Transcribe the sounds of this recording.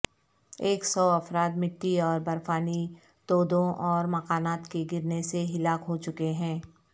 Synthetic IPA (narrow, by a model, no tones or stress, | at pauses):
eːksɔːɐfɾaːd̪mɪʈːiɔːɾbɐɾfaːni | t̪oːd̪õʔɔːɾmɐqaːnaːt̪keɡɪɾneseɦɪlaːkɦot͡ʃʊkeɦɛ̃ː